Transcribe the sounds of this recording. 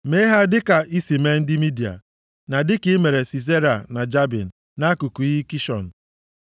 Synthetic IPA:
me˦ɦa˦dɪ˦ka˨i˦si˨me˦n̩˦dɪ˦mi˦di˨a̰˨ | na˨dɪ˦kɪ˨˦me˨ɾe˨si˨s̬e˦ɾa˨na˨d͡ʒa˦bḭ˨n̩˨ | na˦ku˨ku˨ɣi˦ki˦ʃɔ̰˨n̩˨

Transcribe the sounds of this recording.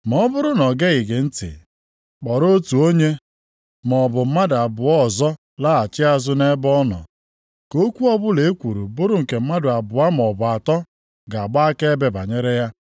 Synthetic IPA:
m˨ɔ˨˦bʊ˦ɾʊ˦nɔ˨ɡe˦ɣɪ˨ɡɪ˨n̩˦tɪ̰˨ | k͡pɔ˨ɾo˦tu˨o˦ɲe˦ | m˨ɔ˨bʊ˨m̩˦ma˦da˨bʊ˨ɔ˦˨zɔ˦ | la˦a˨t͡ʃɪ˦a˦zʊ˦ne˦bɔ˦nɔ̰˨ | ko˦kʷu˦ɔ˦bʊ˦le˨e˦kʷu˨ɾu˨bʊ˦ɾʊ˦ŋ̩˨ke˨m̩˦ma˦dʊ˨a˨bʊ˨a˦m˨ɔ˨bʊ˨a˨tɔ˦ | ɡa˨ɡ͡ba˦a˦ke˦be˦ba˨ɲe˦ɾe˦ja˦

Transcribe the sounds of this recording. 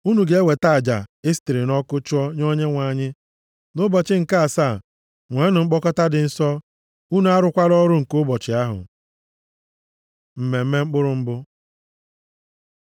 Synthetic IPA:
u˦nu˨ɡe˦e˦we˨ta˦˨d͡ʒa̰˨e˦sti˨ɾi˨nɔ˦kʊ˦t͡ʃʊ˦ɔ˦ɲo˦ɲe˦ŋʷa˨ɲɪ˦ | nʊ˦bɔ˨t͡ʃɪ˦ŋ̩˨ka˦a˨sa˦˨ | ŋʷe˨˦nʊ˨ŋ͡m̩˦k͡pɔ˦kɔ˦ta˦dɪ˨n̩˦sɔ˦ | u˦nu˨a˦ɾʊ˦kʷa˦ɾɔ˦ɾʊ˦ŋ̩˨kʊ˦bɔ˨t͡ʃɪ˨a˦ɦʊ̰˨ | m̩˨me˨m̩˦me˦ŋ͡m̩˦k͡pʊ˦ɾʊ˦ŋ͡m̩˦bʊ˦

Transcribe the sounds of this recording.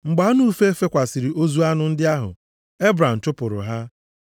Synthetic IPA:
ŋ͡m̩˨ɡ͡ba˨˦nuː˦fe˦e˦fe˦kʷa˨sɪ˨ɾi˨ʔo˦zu˦a˦nʊ˨n̩˦dɪ˦a˦ɦʊ̰˨ | e˦bɾa˨m̩˨tʊ˦pʊ˨ɾʊ̰˨ɦa˦

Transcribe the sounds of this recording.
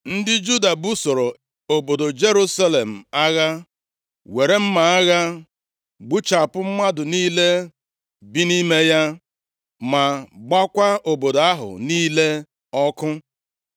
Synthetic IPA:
n̩˦dɪ˦d͡ʒu˦da˨bu˦so˨ɾo˨ | o˨bo˨do˨d͡ʒe˦ɾu˦sa˦le˨m̩˨a˦ɣa˦ | we˨ɾe˦m̩˦ma˨a˦ɣa˦ | ɡ͡bu˦t͡ʃa˨pʊ˦m̩˦ma˦dʊ˨niː˦le˦ | bi˦ni˦me˦ja˦ | ma˨ɡ͡ba˦kʷa˦o˨bo˨do˨a˦ɦʊ̰˨niː˦le˦ | ɔ˦kʊ˦

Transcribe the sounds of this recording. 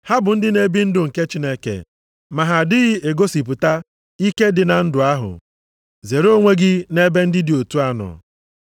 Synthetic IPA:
ha˦bʊ˨n̩˦dɪ˦ne˦bi˦n̩˦dʊ˨ŋ̩˨ke˦t͡ʃi˦ne˦kḛ˨ | ma˨ɦa˨dɪ˦ɣɪ˦e˨ɡo˦si˨p̬ʊ˨ta˦ | i˦ke˦dɪ˨na˨n̩˦dʊ˨a˦ɦʊ̰˨ | ze˨ɾo˦ŋʷe˦ɡɪ˦ne˦be˦n̩˦dɪ˦dɪ˨o˨tu˦a˦nɔ̰˨

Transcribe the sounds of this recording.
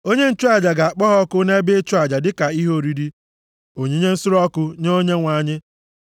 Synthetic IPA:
o˦ɲe˦n̩˦t͡ʃu˦a˨d͡ʒa˨ɡa˨a˨k͡pɔ˦ɦɔ˦kʊ˦ne˦be˦t͡ʃu˦a˨d͡ʒa˨dɪ˦ka˨i˦ɦo˦ɾi˨ɾi˦ | o˨ɲe˦ɲe˦n̩˦sʊ˦ɾɔ˦kʊ˦ɲo˦ɲe˦ŋʷa˨ɲɪ˦

